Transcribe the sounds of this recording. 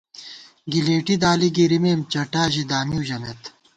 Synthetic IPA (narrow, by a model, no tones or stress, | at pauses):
ɡileːʈid̪aːliɡiɾimeːmt͡ɕɐʈaːʑid̪aːmijuːʑɐmet̪